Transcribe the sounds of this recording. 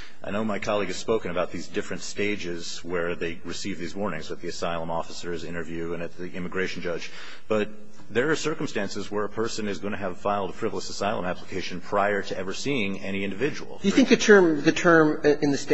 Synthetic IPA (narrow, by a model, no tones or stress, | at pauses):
ʔaɪñoʊmaɪkʰɑlˠiɡɨz̥spoʊkɨ̃nɨbaʊt̪̚ðizdɪfɹɨ̃ntsteɪd͡ʒɪz̥ | wə˞ðeɪɹɨsivðizwɔɹnɪ̃ŋzɨt̪̚ðiɨsaɪlˠə̃mɔfəsə˞zɪ̃ɾ̃ə˞vjʉɨ̃nɨt̪̚ðiʔɪ̃mɨɡɹeɪʃn̩d͡ʒʌd͡ʒ | b̥ʌt̪̚ | ðə˞ːsɜ˞km̩stæ̃nsɨzwə˞əpʰɜ˞sɨ̃nɨzɡʌñɨːv̥faɪlˠdfʰɹ̥ɪvl̩ˠəsəsaɪlˠə̰̃mæpləkʰeɪʃɨ̃n̩pʰɹ̥aɪə˞ɾɨʔɛvə˞siɪ̃ŋɛñiɪ̃ndɨvɪd͡ʒəwl̩ˠjɨθɪ̃ŋk̚ðɨtʰɜ̃˞mðɨtʰɜ̃˞mɨ̃nðɨst